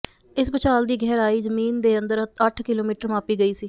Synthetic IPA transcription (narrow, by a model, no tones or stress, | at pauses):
ɪsbət͡ʃaːld̪iːɡʱɛːɾaːiːzəmiːnd̪eːə̃nd̪əɾəəʈʰkɪloːmiːʈəɾmaːpiːɡəiːsiː